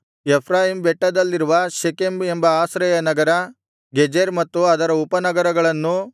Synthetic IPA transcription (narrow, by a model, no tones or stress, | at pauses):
epʰɾaːɦimbɛʈːɐd̪ɐlːiɾuʋɐʃekemembɐaːsɾɐjɐnɐɡɐɾɐ | ɡed͡ʒeɾmɐt̪ːuɐd̪ɐɾɐupɐnɐɡɐɾɐɡɐɭɐnːu